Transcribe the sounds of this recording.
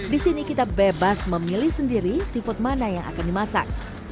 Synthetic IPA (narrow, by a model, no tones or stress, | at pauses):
disinikit̪abebasməmilihsəndiɾisifʊt̪̚manajaŋʔa̰kandimasa̰k̚